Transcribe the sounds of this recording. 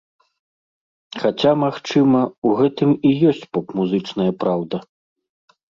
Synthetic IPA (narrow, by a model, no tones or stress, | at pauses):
xat͡sʲamaxt͡ʂɨmɐuɣɛt̪ɨmijɔsʲt͡sʲpɔpmuzɨt͡ʂnɐjɐpɾawd̪ɐ